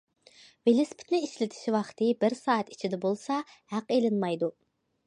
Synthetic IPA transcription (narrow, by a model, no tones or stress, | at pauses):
velɪspʰɪ̥t̪nɪiʃlɪt̪ʰɪ̥ʃvɑχt̪ʰɨbɪɾsɑːɛt̪i̥t͡ʃʰid̪ɛbolˠsɑ | hæqelɪnmɑjd̪u